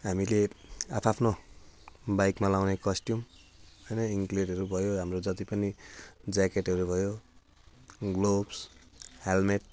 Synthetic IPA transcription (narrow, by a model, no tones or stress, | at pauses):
ɦamilea̰pʰapʰno | bajkmalawnekʌsʈjum | ʌjnʌiŋkleʈɦʌɾubʱʌjoɦamɾod͡ʒʌt̪ipʌnid͡zakeʈɦʌɾubʱʌjo | ɡlobshelmeʈ̚